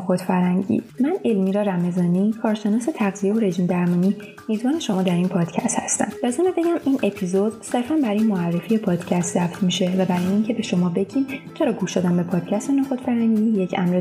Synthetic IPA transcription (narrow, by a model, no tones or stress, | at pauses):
xod̪fæɾhæŋɟḭːmæne̞lmiːɾɒːɾæme̞zɒːniːkʰɒːɾʃe̞nɒːse̞t̪ʰæɣzijeoɾe̞ʒd͡ʒmd̪æɾmɒːniː | miːzbɒːne̞ʃo̞mɒːd̪æɾiːnpʰɒːd̪̥cʰæ̰st̪hæst̪æ̰mbæzunebe̞ɟæmiːnʔe̞pʰizod̪̥se̞ɾfænbæɾɒːjemoærːe̞fiːjepʰɒːd̪̥cʰæst̪zæft̪miːʃe̞væbæɾɒːjeincʰe̞be̞ʃo̞mɒːbe̞ɟiːmt͡ʃʰe̞ɾɒːɡuːʃd̪oːd̪æmbe̞pʰɒːd̪̥cʰæst̪enɒxod̪fæɾhæŋɟije̞cʰæ̰mɾe